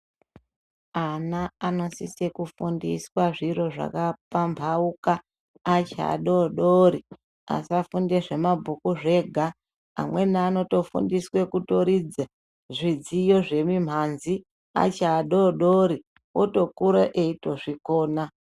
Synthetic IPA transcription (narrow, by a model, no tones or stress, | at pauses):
anaano̞sisekufundḭswaʐiro̞ʐa̰kapambʱaukaː | t͡ʃa̰ɗo̞ɗoɾi | a̰siafundeʐe̞mabʱukuʐe̞ɡʱa̰ː | mwe̞naːno̞to̞fṵndiswe̞kuto̞ɾid͡za | ʐid͡zijo̞ʐe̞mim̤anzi | a̰t͡ʃaːɗo̞ɗoɾi | woto̞kuɾaʔeito̞ʐiko̞ːna